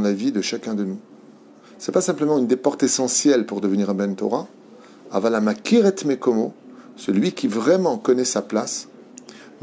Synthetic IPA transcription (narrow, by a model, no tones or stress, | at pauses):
lavid̪əʃakʲɛ̃d̪ənu | sɛpasɛ̃pləmɑ̃ynd̪epɔʁt̪esɑ̃sjɛlpuʁd̪əvəniʁ̃bɛnt̪ɔ̰ʁa | a̰valamakʲiʁɛt̪mekɔmosəlɥikʲivʁɛmɑ̃kɔnɛsaplas | m